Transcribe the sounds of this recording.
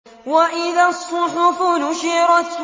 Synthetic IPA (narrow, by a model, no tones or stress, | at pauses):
waʔɪðasˤːʊħʊfʊnʊʃiːɾˤɑt̪